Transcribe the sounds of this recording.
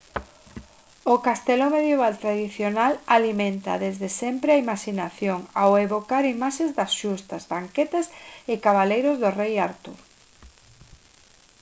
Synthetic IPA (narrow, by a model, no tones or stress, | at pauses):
ʊkast̪ɛlomeðjeβalt̪ɾaðiθjonalalimẽnt̪ɐ̰ðezðesɛmpɾeaimaʃinaθjoŋaweβokaɾimaʃẽzd̪ɐsʃust̪ɐzβaŋkɛt̪asɪkaβalejɾʊzðʊrejaɾt̪ṵɾ